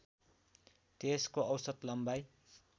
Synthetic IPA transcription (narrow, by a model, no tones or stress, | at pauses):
t̪eskoʌwsʌt̪lʌmbaj